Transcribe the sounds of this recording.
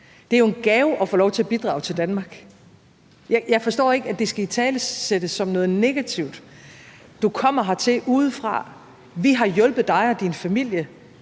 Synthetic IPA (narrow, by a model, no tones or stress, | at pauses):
d̥e̝æjo̝e̝nɡ̥ɛːʊʔɒ̽fɔ̰ːlɒʊt͡sʰe̝æb̥id̥ʁɑ̈ʊt͡sʰe̝ld̥ænmɑ̈ːɡ̥ | jɪjɑ̈ɪfɒ̽sd̥ɔ̰ːe̝ɡ̥əæd̥esɡ̥æit͡sʰɛːləsed̥əsːɒ̽mnɔ̽ːð̞̩ˠne̝ɡ̥æt͡sʰiʊd̥ | d̥ukʰɒ̽m̰ɐɦɑ̈t͡sʰe̝ʔuːð̞̩ˠfʁɑ̰̈ | ʋiɦɑ̈jɔ̽lb̥ð̩ˠd̥ɑ̈ɪɒ̽d̥infæmil̰jə